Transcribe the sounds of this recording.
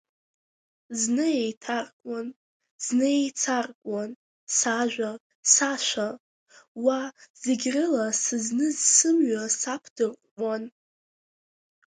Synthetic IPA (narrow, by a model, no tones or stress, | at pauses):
znɨejtʰarkʷʼan | z̥neejt͡sʰarkʷʼan | saʒᶣʷa | saʃʷa | waz̥eɡʲrɨlasɨznɨzsɨmɥasapʰdɨrʷʼan